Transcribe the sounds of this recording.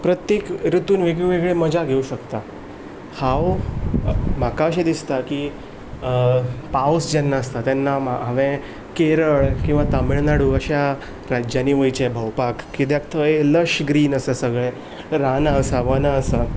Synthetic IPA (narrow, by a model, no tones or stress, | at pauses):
pɾət̪jekɾut̪uːnʋeɡɭiʋeɡɭeməd͡ʑʱaɡʱeuɕəkt̪a | haw | makaəɕ̬ed̪ist̪aki | pawsd͡ʑɛnːaəst̪at̪janːamaɦaʋẽ | keɾəɭkĩw̃ʋat̪amiɭnaɽuəɕa | ɾad͡ʑjaniːʋəjt͡ɕebʱəwpakːit̪jakt̪ʰəeləʂɡɾiːnəsasəɡɭɛ̃ | ɾanaəsaʋənaəsa